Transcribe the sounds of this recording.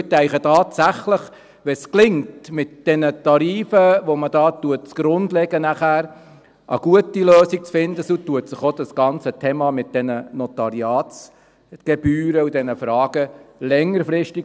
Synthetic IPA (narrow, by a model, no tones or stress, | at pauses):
ət̪ɛɪχətɑːt̪sæχləχ | ʋɛsklɪŋtmɪt̚d̥ɛnətɑɾiːfəʋɔməd̥ɑːt̪uət̚t͡sɡ̥ɾʊnd̪lɛɡənæχæːɾ | ʔə̰ɡ̥uətiløːsik̚t͡sfɪnd̪əsut̪uət̪sɪχod̥̪ɑsɡ̥ɑnt͡sət̪ʰeːmɑmɪt̚d̪̥ɛnənɔtɑɾiɑːtt͡s | ɡ̥ɛb̥yːɾəud̪ɛnəfɾɑːɡ̥əlɛŋːərfɾɪʃti